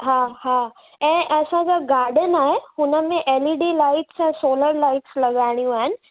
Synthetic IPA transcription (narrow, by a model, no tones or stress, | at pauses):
ɦãɦãː | ɛ̃ːʔɐsãd͡ʑaɡaːɾɖənaːɦehʊnəmẽʔeːliːɖilaːɪʈsɛ̃ːsoːləɾlaːɪʈslɐɡaːɽ̃ijũaːɦɪnɪ̆